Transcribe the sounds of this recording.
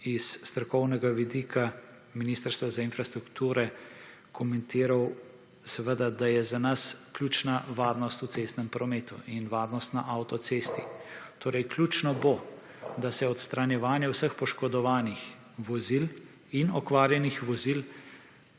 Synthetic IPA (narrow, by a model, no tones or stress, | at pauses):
isːt̪ɾɔkɔwnɛɡaʋid̪ikʰa | minist̪əɾst̪ʋazainfɾast̪ɾukt̪uːɾɛ | kʰɔmɛnt̪iːɾaw | sɛʋəd̪ad̪ajɛzanasklʲjuːt͡ʃnaʋaːɾnɔst̪ut̪sest̪nɛmpɾɔmeːt̪ṵʔinʋaːɾnɔst̪naʔawt̪ɔt̪seːst̪it̪oːɾɛjklʲjuːt͡ʃnɔbo | d̪asɛɔt̪st̪ɾanjɛʋaːnjɛwsəxpɔʃkɔd̪ɔʋaːnix | ʋɔzil | inɔkʋaːɾjɛnixʋɔzil